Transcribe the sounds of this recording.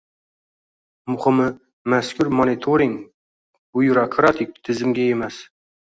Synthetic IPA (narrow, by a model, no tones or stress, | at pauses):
mʊχɨmɨ | maskʲʰʊɾmonit̪ʰoɾɪŋ | bʊjɾakʰɾat̪ʰɪk̚ʲt̪ʰɪzɪmɡʲae̞mas